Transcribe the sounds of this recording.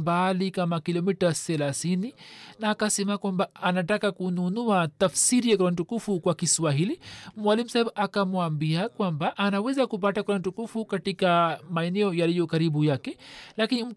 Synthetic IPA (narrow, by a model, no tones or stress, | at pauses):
mbalikamakilɔmitasɛlaθininaːkasɛmakwambaʔanatakakununuatafsiɾijakuɾant̬ukufukwakiswaɦilimwalim̩saibakamwambiakwambaʔːnawɛzakup̬atakuɾan̩tukufukatikamaɛnɛɔjalijɔkaɾiɓujakɛlakinim̩